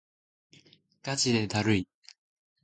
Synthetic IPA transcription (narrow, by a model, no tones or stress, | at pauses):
kad͡ʑinet̪aɾɯi